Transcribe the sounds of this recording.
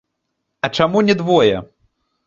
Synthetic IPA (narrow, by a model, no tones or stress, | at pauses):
ɐt͡ʂamunʲɛd̪vɔjɛ